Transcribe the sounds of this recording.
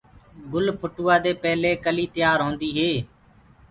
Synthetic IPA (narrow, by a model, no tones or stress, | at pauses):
ɡʊlpʰʊʈuːaːd̪eːpɛːɦleːkəliːt̪əjaːɾɦõːnd̪iːɦeː